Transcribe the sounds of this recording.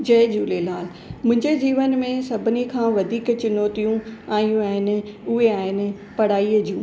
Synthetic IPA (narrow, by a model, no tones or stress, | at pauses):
d͡ʑɐɦd͡ʑuːlelaːl | mʊ̃ɦɪ̃ɲd͡ʑed͡ʑiːʋənmẽsɐbʱɪnikʰãːʋɐd̪ʱiːkt͡ɕɪnoːt̪ijũaːjũaːɦɪnɪ̆ʊɦeaːɦɪnɪ̆ | pɐɽ̤aːiəd͡ʑʱijũː